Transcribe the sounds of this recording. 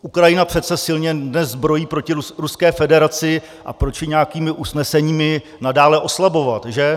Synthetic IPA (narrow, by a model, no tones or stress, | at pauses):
ʔukɾajɪnapr̥ɛt̪t͡sɛsɪlɲɛdnɛzzbɾo̞jiːpɾo̞cɪɾɾuskɛːfɛdɛɾat͡sɪ | ʔa̰pɾo̞t͡ʃɪɲɛakiːmɪʔusnɛsɛɲiːmɪ | nadaːlɛʔo̞slabo̞vat̪ʒɛ